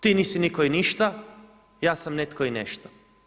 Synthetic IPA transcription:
t̪iːniːsinikoiniʃt̪a | jaːsamnet̪koineʃt̪o̥

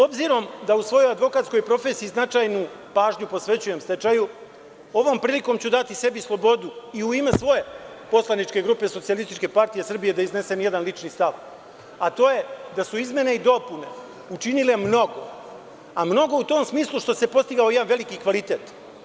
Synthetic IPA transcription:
so̞bziɾo̞md̪ausʋo̞jo̞jad̪ʋo̞kat̪ko̞jpɾo̞feːsiːznat͡ʃajnu | paːʒɲupo̞sʋe̞t͡ɕuje̞mst̪e̞t͡ʃaju | o̞ʋo̞mpɾiːliko̞mt͡ɕud̪at̪ise̞bislˠo̞bo̞d̪uiuime̞sʋo̞je̞ | po̞slˠanit͡ʃke̞ɡɾuːpe̞sosialist̪it͡ʃke̞paɾt̪ijesr̩bije̞d̪aizne̞se̞nje̞d̪anlit͡ʃnist̪aʋ | at̪o̞ːje̞d̪asuizmʲje̞neid̪o̞pune̞ | ut͡ʃinile̞mno̞ɡo̞ | amno̞ɡo̞ut̪o̞ːmsmiːslˠuʃt̪o̞se̞po̞st̪iɡaojed̪anʋe̞likikʋalit̪e̞ːt̪

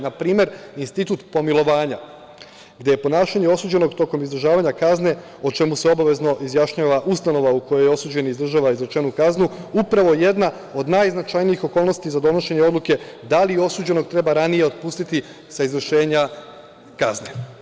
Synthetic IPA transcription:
napɾiːme̞ɾinst̪it̪ut̪po̞milˠo̞ʋaːɲa | ɡd̪je̞je̞po̞naːʃaɲe̞o̞suːd͡ʑe̞no̞ɡt̪o̞ko̞mizd̪r̩ʒaːʋaɲakazne̞ | o̞t͡ʃe̞museo̞baʋe̞zno̞ʔizjaʃɲaːʋaʔust̪ano̞ʋauko̞jojeo̞suːd͡ʑe̞niizd̪ɾr̩ʒaːʋaizɾet͡ʃe̞nukaznuupɾaʋo̞je̞d̪na | o̞d̪najznat͡ʃajniixo̞ko̞ːlˠno̞st̪izad̪o̞no̞ʃe̞ɲe̞o̞d̪luke̞d̪alio̞suːd͡ʑe̞no̞ɡt̪ɾe̞baɾanije̞o̞d̪̚puːst̪it̪i | saizvr̩ʃe̞ːɲa | kazne̞

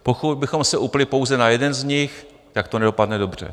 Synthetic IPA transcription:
pokut̪̚bɪxo̞msɛʔuplɪpo̞wzɛnajɛdɛnzɲɪx | t̪akt̪onɛdo̞padnɛdo̞br̝̥ɛ̰

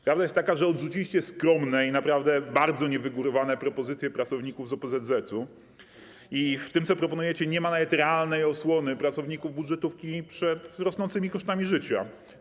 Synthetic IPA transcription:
pɾavd̪ajest̪t̪ːakaʐɛɔd̪ʐut͡ɕilʲiɕt͡ɕɛskɾɔmnɛinapɾavd̪ɛbaɾd̪zɔɲɛvɘɡuɾɔvanɛpɾɔpɔzɘt̪sʲjɛpɾat̪sɔvɲikuvzɔpɛzɛzɛt̪u | ift̪ɘmtsɔpɾɔpɔnujɛt͡ɕɛɲɛmanavɛt̪ɾɛalnɛjɔswɔnɘpɾatsɔvɲikuvbud̪ʐɛt̪ufkʲipʂɛt̪ɾɔsnɔnt̪sɘmʲikɔʂt̪amʲiʐɘt͡ɕa̰

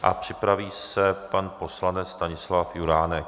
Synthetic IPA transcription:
ʔa̰pr̝̥ɪpɾaviːsɛpanpo̞slanɛt͡sst̪aɲɪslafjuɾaːnɛk

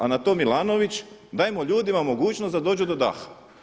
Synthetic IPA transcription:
anat̪o̞ːmilˠaːno̞ʋit͡ɕ | d̪aːjemoʎuːd̪imamo̞ɡuːt͡ʃnosd̪ad̪o̞ːd͡ʒud̪o̞d̪a̰xḁ

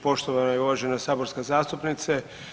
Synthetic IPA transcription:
po̞ʃt̪oʋanajeuʋaːʒe̞nasaːbo̞ɾskazaːst̪upnit̪se

